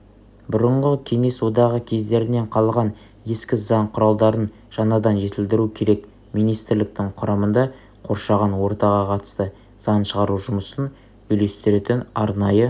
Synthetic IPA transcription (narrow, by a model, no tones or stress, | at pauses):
bʊɾəɴʁəkʲʰe̞ŋe̞swo̞d̪ɑʁəkʲʰe̞zd̪e̞ɾɪne̞ɴqʰɑlˠʁɑn | e̞skʲɪzɑɴqʰʊɾɑlˠd̪ɑɾən | ʒ̥ɑnɑd̪ɑnʒe̞t̪ɪld̪ɪɾukʲʰe̞ɾe̞k | mijnijst̪ɪɾlɪk̚t̪ɪŋqʰʊɾɑmənd̪ɑ | qʰo̞ɾʃɑʁɑnwo̞ɾt̪ɑʁɑqʰɑt̪ə̥st̪ə | sɑnʃəʁɑɾuʒʊməsən | ʏjle̞st̪ɪɾe̞t̪ɪnɑɾnɑjə